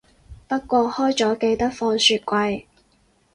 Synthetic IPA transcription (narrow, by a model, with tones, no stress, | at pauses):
pɐ˥t̚kʷɔː˧hɔː˥jt͡sɔː˨˥ke˧jt̪ɐ˥k̚fɔː˧ŋsyː˧t̚kʷɐ˧j